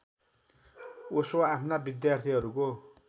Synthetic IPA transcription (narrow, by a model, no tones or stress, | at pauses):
osoapʰnabid̪jart̪ʰiɦʌɾuko